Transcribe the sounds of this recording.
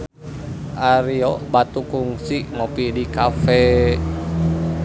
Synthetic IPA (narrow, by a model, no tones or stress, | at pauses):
ʔaɾiɔbat̪ukuŋsiŋopidikafɛ